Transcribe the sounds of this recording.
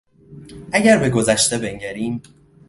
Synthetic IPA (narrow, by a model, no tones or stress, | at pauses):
ʔæɟæɾbe̞ɡo̞zæʃt̪e̞be̞ŋɟæɾiːm